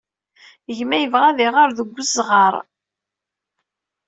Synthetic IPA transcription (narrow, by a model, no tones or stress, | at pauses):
əʝmæjəvʁæðiʁaɾðəɡʷːəzʁɑɾˤ